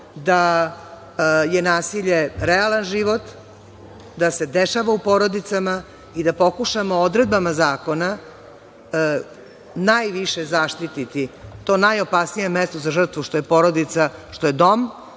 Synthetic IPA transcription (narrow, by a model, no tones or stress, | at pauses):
d̪a | jenaːsiʎe̞ɾealanʒiʋo̞t̪ | d̪ase̞d̪eʃaʋaupoɾo̞d̪it̪sama | id̪apo̞kuʃamood̪ɾe̞d̪̚bamazaːko̞na | najʋiʃezaːʃt̪it̪it̪it̪o̞ːnajo̞paːsnijemest̪ozaʒr̩t̪ʋuʃt̪ojepo̞ɾo̞d̪it̪saʃt̪ojed̪o̞m